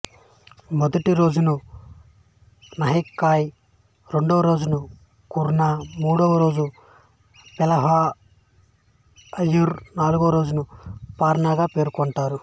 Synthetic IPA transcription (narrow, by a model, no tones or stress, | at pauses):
mɔd̪ɐʈiɾo̞ːd͡ʒunu | nɐɦikːaːj | ɾeɳɖoɐɾo̞ːd͡ʒunu | kuɾnaːmuːɽɔʋɐɾo̞ːd͡ʒu | pɛlɐɦaː | ɐjːuɾnaːluɡoːɾo̞ːd͡ʒunupaːɾɐɳaːɡaːpe̞ːɾkɔɳʈaːɾu